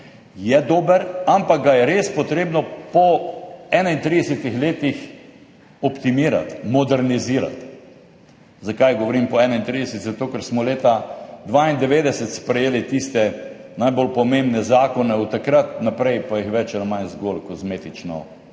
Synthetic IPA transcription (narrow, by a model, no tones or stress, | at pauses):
jɛd̪oːbəɾampak̚ɡajɛɾespɔt̪ɾeːbnɔpɔɛːnaint̪ɾid̪ɛsɛt̪ixleːt̪ix | ɔpt̪imiːɾa̰t̪mɔd̪ɛɾniziːɾa̰t̪ | zakajɡɔʋɔɾimpɔɛnaint̪ɾiːd̪ɛsɛt̪sɛt̪ːokəɾsmɔleːt̪ad̪ʋaːind̪ɛʋeːd̪ɛsɛt̪spɾɛjeːlit̪ist̪ɛ | najbolpɔmẽmbnɛzaːkɔnɛut̪akɾat̪napɾɛjpajixʋɛt͡ʃɛnamanzɡolkɔzmeːt̪it͡ʃnɔ̰